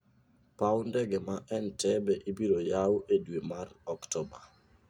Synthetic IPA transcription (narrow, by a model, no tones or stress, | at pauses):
pawndɛɡɛmaʔɛntɛbɛʔibiɾojawʔedwemarɔktɔba